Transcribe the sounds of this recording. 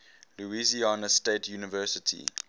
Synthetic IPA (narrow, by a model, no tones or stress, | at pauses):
luizianəstetʰjuːnəvɜːˑsətʰḭ